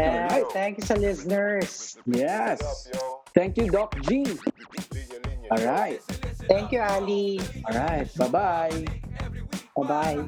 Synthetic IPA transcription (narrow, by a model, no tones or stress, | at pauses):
jɔlɹaɪt̪̚θæ̃ŋkjusəlɪsənə˞sjɛst̪æ̃ŋkjud̪ɔk̚d͡ʒi | ʔɔlɹaɪt̪̚t̪æ̃ŋkjualiɔlɹaɪt̪̚babaj | babaj